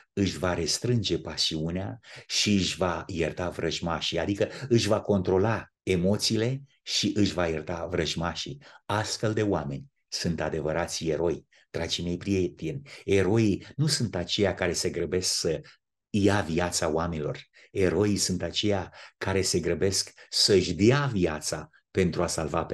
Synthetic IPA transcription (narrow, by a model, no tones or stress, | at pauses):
ɨʃvaɾe̞st̪ɾɨnd͡ʒe̞pasiuneaʃiɨʃvajert̪avɾəʒmaʃiad̪ikəɨʃ̬vako̞nt̪ɾo̞la | emo̞t̪siːle̞ | ʃiʔɨʃʲvajert̪avɾəʒmaʃḭast̪fe̞ld̪e̞oame̞nʲ | sunt̪ad̪e̞vəɾat̪sʲe̞ɾo̞j | t̪ɾat͡ʃinejpɾiet̪inʲe̞ɾo̞ijnusunt̪at͡ʃe̞jakaɾe̞se̞ɡɾəbe̞sksə | javiat̪sawamenilo̞̰r | e̞ɾo̞ijsunt̪at͡ʃe̞jakːaɾe̞se̞ɡɾəbe̞sksəɨʃd̪eaviat̪sa | pe̞nt̪ɾuasalvape